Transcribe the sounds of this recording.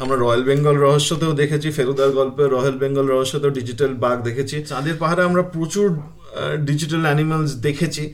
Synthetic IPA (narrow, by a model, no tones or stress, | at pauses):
amɾaɾɔjalbeŋɡolɾɔɦoʃːot̪eod̪ekʰet͡ɕʰifeɾod̪aɾɡɔlpeɾɔjolbeŋɡolɾɔɦoʃːot̪eoɖid͡ʑiʈalbaɡd̪ekʰet͡ɕʰit̪ad̪eɾpaɦaɾeamɾapɾot͡ɕuɾ | ɖid͡ʑiʈalɛnimalsd̪ekʰet͡ɕʰi